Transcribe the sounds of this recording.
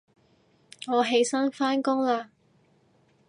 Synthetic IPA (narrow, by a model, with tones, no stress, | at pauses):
ŋɔː˨˧ɦe˧jsɐ˥nfaː˥nkʊ˥ŋlaː˧